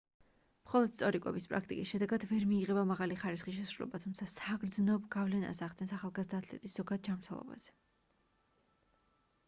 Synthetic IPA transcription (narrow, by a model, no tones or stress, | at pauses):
mχɔlˠɔd̪̥st̪sʼɔɾikʼɛ̰bispʼɾa̰kʰt̪ʼḭkʼisʃɛd̪ɛɡad̪vɛɾmiːʁɛbamaʁaliχaɾisχiʃ̬ɛsɾulɛ̰bat̪ʰumt̪sʰasaɡɾd̪znɔbɡavlɛna̰saʁd̪ɛnsaχalˠɡazd̪aːt̪ʰlɛ̰t̪ʼisz̥ɔɡad̪̚d͡ʒamɾt̪ʰɛlˠɔ̰ba̰z̥ɛ̥